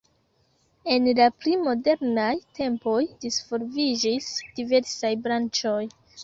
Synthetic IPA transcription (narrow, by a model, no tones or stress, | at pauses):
e̞nlaplimo̞de̞ɾnajtʰe̞mpo̞jdisfo̞ɾvid͡ʒisd̥ive̞ɾsajbɾant͡ʃo̞j